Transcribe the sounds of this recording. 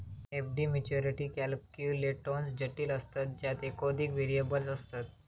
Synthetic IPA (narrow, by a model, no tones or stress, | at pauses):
efɖiːmet͡ɕoɾiʈiːkɛlp̚kjuleʈːonsd͡ʑəʈːiːləst̪at̪̚d͡ʑjat̪ekod̪ʱikʋeɾijəbəlsəst̪at̪